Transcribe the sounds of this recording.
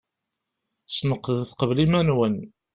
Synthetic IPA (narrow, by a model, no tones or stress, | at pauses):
snəqːðθqəvlimænwən